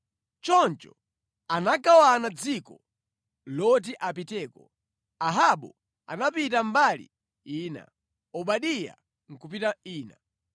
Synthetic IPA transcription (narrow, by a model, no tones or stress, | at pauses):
t͡ʃɔnt͡ʃɔ | anakawanad͡zikɔ | lɔt̬iʔap̬itɛːkɔ | aɦaɓɔ | a̰napitambalḭ | iːna̰ | ɔɓaɗija̰ | ŋ̩kupitaiːna